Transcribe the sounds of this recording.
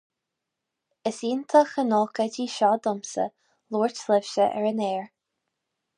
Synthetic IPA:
əsiːnt̪ʰəxənoːkədiːʃɔːd̪ɔmsə̰ | luːɹtlɪv̥ʃəʔɛ̰ɹəneːɹ

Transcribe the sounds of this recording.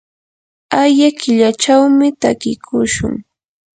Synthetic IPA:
ajakɪʎat͡ʃawmɪt̪akɪkʰʊʃʊ̰ŋ

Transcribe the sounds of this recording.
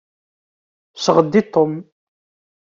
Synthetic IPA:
səʁəd̪ːit̪ːom

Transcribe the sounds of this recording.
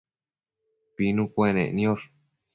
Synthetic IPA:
pinũkʷenẽnĩõɾ

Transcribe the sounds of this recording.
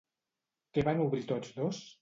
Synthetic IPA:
keβanuβɾit̪od͡zdos

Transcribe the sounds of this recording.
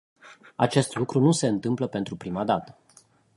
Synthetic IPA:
at͡ʃe̞st̪lukɾunuse̞ɨnt̪ɨmpləpe̞nt̪ɾupɾimad̪at̪ə̥

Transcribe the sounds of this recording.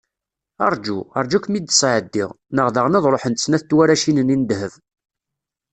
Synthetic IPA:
ɑ̰ɾˤd͡ʒuɑ̰ɾˤd͡ʒukʷmid̪sʕəd̪ːɪ̰ʁ | nəʁðəʁnɑðˤɾˤoħənt̪snæθt̪ːwæɾæʃinənind̪həv

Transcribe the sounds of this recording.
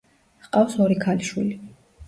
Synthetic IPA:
qʼafsɔɾikʰaliʃwḭli

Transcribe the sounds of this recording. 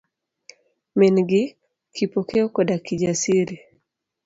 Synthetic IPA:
minɡɪ | kipokeokɔdakid͡ʒasiɾi

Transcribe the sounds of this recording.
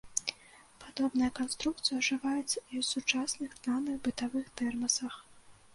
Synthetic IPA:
pad̪ɔbnɐjɐkanst̪ɾuk̚t̪sɨjɐʐɨvajɛt͡sʲiwsut͡ʂasnɨxd̪lanɨɣbɨt̪avɨxt̪ɛrmɐsɐx

